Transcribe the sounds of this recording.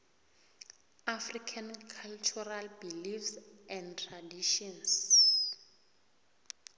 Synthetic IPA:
afrikʰankʰalt͡ʃʰuralbilifsɛ̃ndtʰradiʃɔns

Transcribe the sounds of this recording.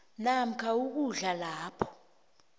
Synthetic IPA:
nam̩kʰauk̬uɮalaːpʰɔ̥

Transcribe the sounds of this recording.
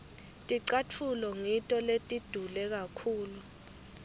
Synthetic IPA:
tʼiǀat͡fʰulɔŋitʼɔletʼid̥ʱulɛk̬akʰuːlu

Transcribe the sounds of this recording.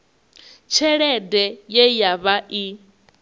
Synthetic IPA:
t͡ʃʰɛɺɛdɛjɛjaβaʔi

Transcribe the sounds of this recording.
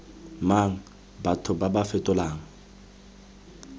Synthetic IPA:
maŋ̩ | batʰʊbabafɛtʼʊlaːŋ̩

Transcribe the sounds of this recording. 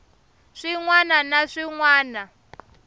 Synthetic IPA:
ʂiŋwananaʂiŋwaːna

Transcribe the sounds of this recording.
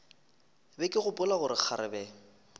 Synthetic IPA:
bɛkʼɪɣʊpʼʊlaɣʊɾɪk͡xʰaɾɪbɛ

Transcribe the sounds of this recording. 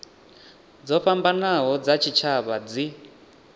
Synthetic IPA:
d͡zɔɸambanaɦɔd͡zat͡ʃʰit͡ʃʰaβad͡zi

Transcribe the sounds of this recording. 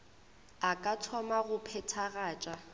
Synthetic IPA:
akʼatʰɔmaɣʊpʰɛtʰaɣaːt͡ʃʼa

